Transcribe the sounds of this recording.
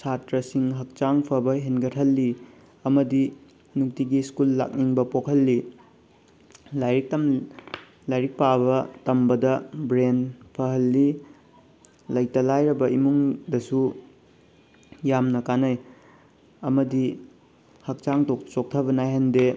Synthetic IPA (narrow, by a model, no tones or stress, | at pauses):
satɾɐsiŋɦɐk̚t͡ʃaŋpʰɐbɐɦenɡɐtʰhɐlːi | ɐmɐdi | nuk̚tiɡiskulːa̰k̚niŋbɐpokʰɐlːi | lajɾik̚tɐm | lajɾik̚pabɐtɐmbɐdɐbɾenpʰɐɦɐlːi | lɐjtɐlajɾɐbɐimuŋdɐsu | jamnɐkanɐj | ɐmɐdi | hɐk̚t͡ʃaŋtot͡ʃok̚tʰɐbɐnajɦɐnde